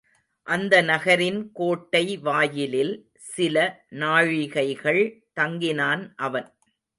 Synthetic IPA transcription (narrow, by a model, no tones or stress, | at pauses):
ʔɐnd̪ɐnɐɣɐɾɪnkoːʈːɐɪʋaːjɪlɪl | sɪlɐnaːɻɪɣɐɪɣɐɭt̪ɐŋɡɪnaːnʔɐʋɐn